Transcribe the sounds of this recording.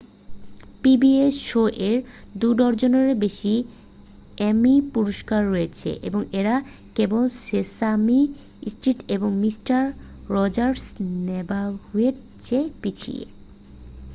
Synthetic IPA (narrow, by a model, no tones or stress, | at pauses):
pibieʃoʔeɾd̪uɖɔɾd͡ʑoneɾebeʃi | ɛmipuɾoʃkaɾːoet͡ɕʰḛʔḛboŋeɾa | kebolsesami | sʈɾiʈeboŋmisʈaɾː | ɔd͡ʑaɾsnebahueɾ | t͡ɕepit͡ɕʰḭḛ